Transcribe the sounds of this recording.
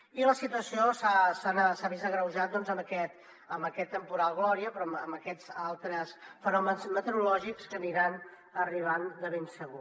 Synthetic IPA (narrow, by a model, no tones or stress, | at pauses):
iləsit̪uəsiosasanəsaβizəɣɾəwʒat̪̚d̪ɔnzəməkɛt̪ | əmbəkɛt̪ːəmpuɾalˠɣlɔɾiəpɾɔmə̰mbəkɛzalˠt̪ɾəsfənɔmənzmət̪əɾulɔʒikskəniɾan | əriβ̞and̪əβensəɣ̞u